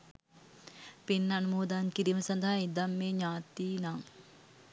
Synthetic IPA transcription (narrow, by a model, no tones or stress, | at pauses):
pinːanumoːd̪aŋkiɾiməsɐnd̪ɐɦaid̪amːeːɲaːt̪iːnaŋ